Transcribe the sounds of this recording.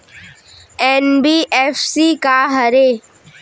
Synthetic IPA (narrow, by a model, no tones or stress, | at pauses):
ɛːnbiːʔɛːfsikaɦəɾe